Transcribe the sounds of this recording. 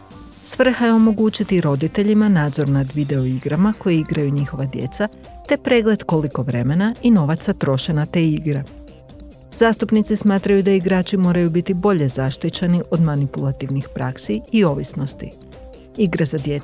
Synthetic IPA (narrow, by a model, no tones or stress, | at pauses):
sʋr̩xajeo̞mo̞ɡuːt͡ʃit̪iɾo̞d̪it̪e̞ʎimanaːd̪zo̞ɾnad̪ʋid̪e̞o̞iɡɾamako̞jeiɡɾajuɲixo̞ʋad̪je̞̰t̪sa | t̪e̞pɾeːɡle̞d̪ko̞liko̞ʋɾe̞me̞naino̞ʋat̪sat̪ɾo̞ʃe̞nat̪eːiɡɾe | z̥aːst̪upnit̪sismaːt̪ɾajud̪aiɡɾaːt͡ʃimo̞ːɾajubit̪ibo̞ʎe̞zaʃt̪it͡ʃeniʔo̞d̪manipulˠat̪iʋnixpɾʔaksiːo̞ʋisno̞st̪ḭ | iɡɾazad̪je